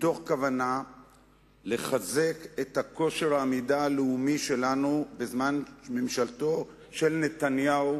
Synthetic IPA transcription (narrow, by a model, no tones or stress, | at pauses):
t̪o̞χkavana | le̞χaze̞ke̞thako̞ʃeʁaːmidaːleumiʃe̞lanubezmanme̞mʃalto̞ | ʃe̞lne̞tanjau